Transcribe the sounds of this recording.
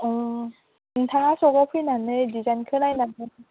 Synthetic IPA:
ɯ | ɯnt̪ʰaŋasʰɔɡɔpʰɯjnanɯdid͡ʑankʰɯnajnanɯ

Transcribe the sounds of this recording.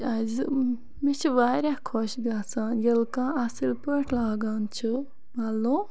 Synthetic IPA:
az | mit͡ʃʰiʋaːɾʲahkʰoʃɡaːt͡saːnjɐlkãːasilpəʈʰlaːɡaːnt͡ʃʰɨ | malːoː

